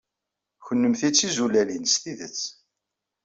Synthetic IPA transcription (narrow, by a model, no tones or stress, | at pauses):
çənːəmθit͡sːizulælinst̪iðət͡sː